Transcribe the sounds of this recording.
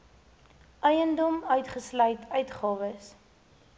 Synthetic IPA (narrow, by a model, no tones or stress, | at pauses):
ʔœjəndɔmœɥtχəslœjtʰœɥtχɑːvəs